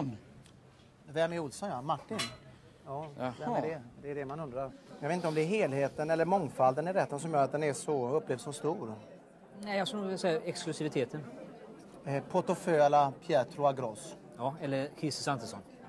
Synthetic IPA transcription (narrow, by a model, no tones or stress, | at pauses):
vɛmɪʊlsɔnjamaʈːɪn | jɑːvɛmɛɖɛd̪ɛːɖɛmanɵnd̪ɾaɾjɑɡet̪ɪt̪ɔmd̪ɛɛɦeːlheːt̪ənɛlːəɾmɔŋfald̪ənɪɾɛt̪ːənsɔmjœːɾat̪̚d̪ɛnɛʂɔɵpːleːvsɔmst̪uːɾ | næjɑsknuːvɪlasɛjːaɛksklɵsɪvɪt̪ʰeːt̪ən | pʰɔʈɔføːlapʰjɛːt̪ɾʊaɡɾɔs | jɑːɛlːəkʰɪsəsant̪əsɔn